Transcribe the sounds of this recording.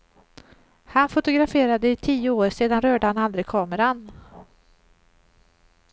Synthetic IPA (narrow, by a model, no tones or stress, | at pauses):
hanfʊt̪ʊɡɾafeːɾad̪əɪt̪ʰiːəoːɾseːd̪anɾœːɖəhanald̪ɾɪkʰɑːməɾan